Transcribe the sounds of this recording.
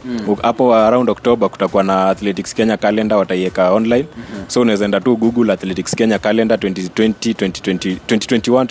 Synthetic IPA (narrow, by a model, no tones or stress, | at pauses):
apɔaɾaundɔktɔɓaku̥takuanaːθlɛtikskɛɲakalɛndawataiɛkaɔnlajnsɔunawɛzaɛndatuɡuɡulaːθlɛtikskɛɲakalɛndatwɛntitwɛntitwɛnti̥wɛntitwɛnti̥twɛntiwan